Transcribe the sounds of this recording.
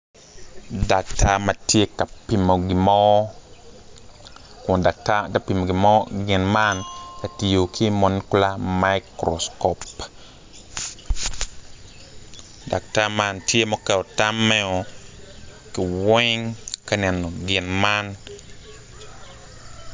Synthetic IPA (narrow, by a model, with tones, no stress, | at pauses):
da˨k̚tʰa˦ma˨tje˦ka˨pi˨mo˨ɡɪ˨mɔ˦ | ka˨taa˨pi˨mo˨ɡɪ˨mɔ˦ɡɪ˨nma˦nka˨ti˨jo˨kʰi˦mɔ˨nku˦la˦ma˦jkɾɔ̰˨skɔ˨p | da˨k̚ta˦ma˦ntje˦mɔ˦kɛ˨ɔ˨ta˦mːɛ˦ɔ˨ | kɪ˨wɛ˦ŋka˦nɛ˨nɔ˨ɡɪ˨nma˦n